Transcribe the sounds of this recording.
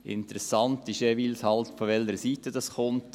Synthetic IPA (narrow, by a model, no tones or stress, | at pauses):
ʔɪ̰ntəɾɛsɑntiʃeviːlshɑltfoʋɛləɾəsiːtəd̥ɑsχʊnt